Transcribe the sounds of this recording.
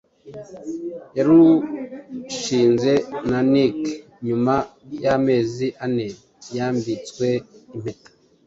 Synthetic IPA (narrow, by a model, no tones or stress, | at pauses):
jaɾu | ʃiːnze̞nanik | ɲumajame̞ːziʔane | jaːmbit͡skwe̞im̥etḁ